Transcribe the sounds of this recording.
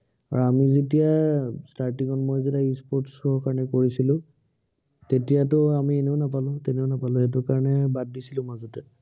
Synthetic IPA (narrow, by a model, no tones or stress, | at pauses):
aɹɔamizetijastaɹtiŋɔnmojzɛtaispɔɹtsɔɦɔkaɹɔnɛkoɹisilʊ̃ | tetijatʊamiɛneʊnap̬alʊ̃tɛneʊnapalʊ̃ɛt̬ʊkaɹɔnɛbad̚ːisilʊ̃mazɔtɛ